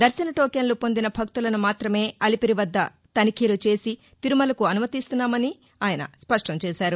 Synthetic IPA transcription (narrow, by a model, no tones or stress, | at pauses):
d̪ɐɾsɐnɐʈoːkjɐnlupo̞nd̪inɐbʱɐkt̪ulɐnumaːt̪ɾɐme̞ːɐlipiɾiʋɐd̪ːɐ̰ | t̪ɐnikʰiːlut͡ʃe̞ːsi | t̪iɾumɐlɐkuɐnumɐt̪ist̪unːaːmɐni | aːjɐnɐ̰spɐʂʈɐmt͡ʃɛːʃaːɾu